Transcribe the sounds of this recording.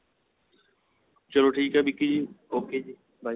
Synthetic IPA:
t͡ʃəloːʈʰiːkabikid͡ʒioːkeːd͡ʒi | bʱaː

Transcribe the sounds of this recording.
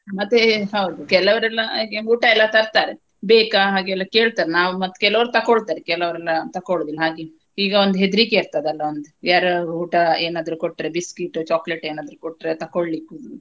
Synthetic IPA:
mɐt̪ːeɦɐwd̪ukɛlɐʋɐɾɛlːɐːɡeuːʈɐɛlːɐt̪ɐɾt̪aːɾe | beːkaɦaːɡeɛlːɐkeːɭt̪aːɾenaːʋumɐt̪ːkɛlɐʋɐɾut̪ɐkoːɭt̪aːɾekɛlɐʋɐɾɛlːɐt̪ɐkoːɭod̪ilːɐɦaːɡe | hiːɡɐond̪uɦed̪ɾikeːɾt̪aːd̪ɐlːɐond̪ujaːɾuːʈɐeːnaːd̪ɾukoʈːɾebiskiʈːut͡ʃaːkleʈeːnaːd̪ɾukoʈːɾet̪ɐkoɭlikːu

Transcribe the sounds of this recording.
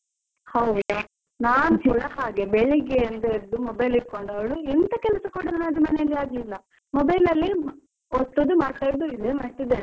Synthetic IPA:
hɐwd̪e | naːnusiɭɐhaːɡe̞beɭeɡeɐnd̪ɐiɾɐd̪umɔbɐjliɾkoɳɖɐʋɐɭuɛnt̪ɐkɛlɐsɐkoːɽɐnɐnɐd̪umɐnejɐlːiaːɡlilːɐ | mɔbɐjlɐlːi | ot̪ːod̪umaːɽt̪aːjɾɐd̪uid̪emɐʈ̪id̪e

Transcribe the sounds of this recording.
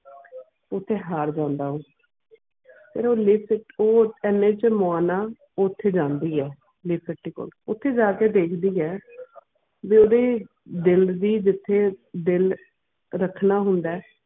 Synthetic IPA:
ʊt̪ʰːeːɦaːɾd͡ʒãːnd̪aːɦõː | pʰḛːɾoːlɪːpɪʈoːɛnːẽːt͡ʃmʊaːnaː | ot̪ʰːeːd͡ʒãːnd̪iːɛː | lɪːpʰɪʈːiːko̰ːlʊt̪ʰːeːd͡ʒaːkeːd̪eːkʰd̪iːɛː | ʋiːoːd̪eː | d̪ɪld̪iːd͡ʒɪt̪ʰːeːd̪ɪl | ɾəkʰːnaːɦʊnd̪aɛː

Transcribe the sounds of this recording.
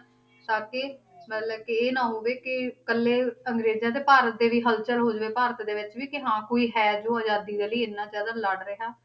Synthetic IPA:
saːkeː | mət̪ləb̚kɪeːnãːɦoːʋeːkɪkəlːeːəŋɡɾeːzjãːt̪̬eːpaːɾət̪̚d̪eːʋiːɦəlt͡ʃəlɦoːd͡ʒʋeːpaːɾət̪d̪eːʋɪt͡ʃʋiːkɪɦãːkoːiːɦɛːd͡ʒoːaːd͡ʒaːd̪iːd̪eːləiːɪnːãːd͡ʒaːd̪aːlaɽɾəɦaː

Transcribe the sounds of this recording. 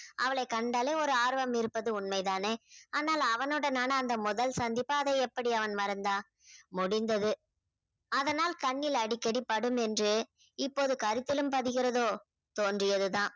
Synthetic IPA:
ʔɐʋɐɭɐɪkɐɳɖaːleːɔɾɯaːɾʋɐmɪɾɯpːɐðɯʊɳmɐɪt̪aːneːaːnaːlɐʋɐnɯɽɐnaːnɐːnd̪ɐmʊðɐlsɐnd̪ɪpːaːɐðɐɛpːɐɽiɐʋɐnmɐɾɐnd̪aː | mʊɽɪnd̪ɐðɯ | ɐðɐnaːlkɐɳːɪlɐɽɪkːɐɽipːɐɽɯmɛndrɯ | ɪpːoːðɯkɐɾɯt̪ːɪlɯmpɐðɪɣɪɾɐðoː | t̪oːndrɪjɐðɯðãː

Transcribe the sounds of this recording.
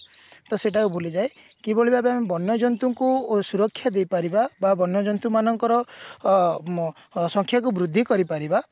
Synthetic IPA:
t̪ɔseʈakubʱolid͡ʒae | kiboɭibabeamibɔnjɔd͡ʒɔnt̪uŋkusuɾɔkʰːjad̪ejpaɾibababɔnjɔd͡ʒɔnt̪umanɔŋkɔɾɔ | sɔŋkʰjakubɾud̪ʱːikɔɾipaɾiba

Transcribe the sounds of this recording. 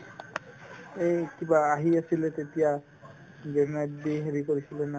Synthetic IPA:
ekibaːɦiasilet̪et̪ija | ɡɛnadiɦeɹikoɹisilena

